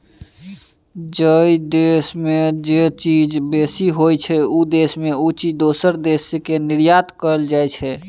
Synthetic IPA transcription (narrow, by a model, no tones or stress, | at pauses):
d͡ʒəid̪esmed͡ʒet͡ʃid͡ʒbesiɦojt͡ʃʰɛud̪esmeut͡ʃid̪osəɾd̪esːekeniɾjat̪kəɾəld͡ʒajt͡ʃʰɛ